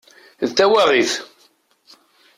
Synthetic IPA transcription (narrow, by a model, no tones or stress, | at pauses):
ðt̪ːæwæʁiθ